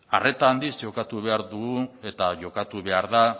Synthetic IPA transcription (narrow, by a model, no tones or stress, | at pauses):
are̞t̪aːnd̪izʝo̞kat̪uβe̞aɾðuɣue̞t̪aʝo̞kat̪uβe̞aɾða